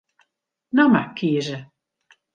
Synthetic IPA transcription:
namakʰiəzə

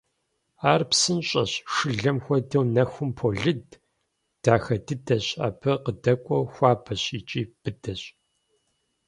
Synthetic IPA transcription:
aːrpsɨnɕʼɐ̰ɕʂɨɮɐmxʷɔdɨwnɐxʷʊmpʰoɮɨd | d̥aːxɐdɨdɐɕʼa̰ːpʰɐqədɐkʷʼɔxʷɑːbʰɐɕiːt͡ʃʼiːb̥ɨdɐɕʼ

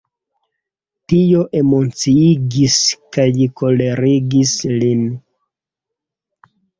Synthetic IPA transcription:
tioʔemo̞t͡siiɡiskajlikʰo̞le̞ɾiɡislin

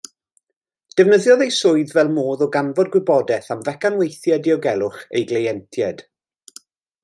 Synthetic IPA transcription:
d̥əvnəðjɔðejsʊɨðvɛlˠmoːðɔɡanvɔdɡwɪbɔdɛθamvɛkanwejθjadɪɔɡɛlˠʊχḛjɡlejɛntʰjɛd̥

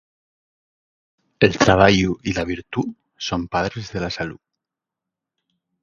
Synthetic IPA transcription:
elt̪ɾaβ̞aʝuilaβ̞iɾt̪u | sompaðɾezðe̞lasalu

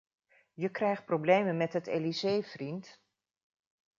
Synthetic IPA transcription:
jəkrɛjχt̚prowblejmənmɛtɦətḛːlizejvrint

